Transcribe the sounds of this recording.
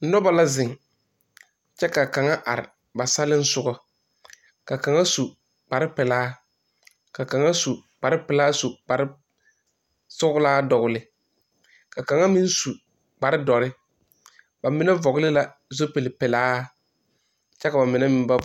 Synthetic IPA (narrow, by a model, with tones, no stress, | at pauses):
n̩˦nɔ˦ba˨la˦zɪ˨ŋ | t͡ʃɛ˦ka˨ka˨ŋa˦ʔa˨ɾɪ̰˨ | ba˨sa˦lɪ˦n̩˦sʊ˦ɡɔ˦ | ka˨ka˨ŋa˦su˨ | k͡pa˨ɾɪ˦pɪ˨laː˦ | ka˨ka˨ŋa˦su˨k͡pa˨ɾɪ˦pɪ˨laː˦su˨k͡pa˨ɾɪ˦ | sʊ˦ɡʊ˦laː˦dɔ˨ɣʊ˨lɪ˨ | ka˨ka˨ŋa˦mi˦n˦su˨ | k͡pa˨ɾɪ˦dɔ˨ɾɪ˦ | ba˨mɪ˦nɛ˦vɔ˨ɡɪ˦lɪ˦la˦ | zo˦pe˨lɪ˨pɪ˨laː˦ | t͡ʃɛ˦ka˨ba˨mɪ˨nɛ˦mɪ˦m˦ba˦